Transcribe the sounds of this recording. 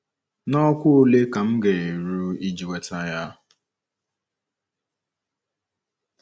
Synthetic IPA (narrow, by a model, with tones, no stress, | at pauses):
nɔ˦kʷʊ˦o˦le˦ka˨m̩˦ɡe˨e˨ɾu˦i˦d͡ʒi˨we˨ta˦ja˦